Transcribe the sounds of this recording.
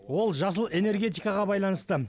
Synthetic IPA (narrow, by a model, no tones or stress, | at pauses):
wo̞lˠʒɑs̬əlˠe̞ne̞ɾɡʲe̞t̪ijkɑʁɑbɑjlˠɑnəst̪ə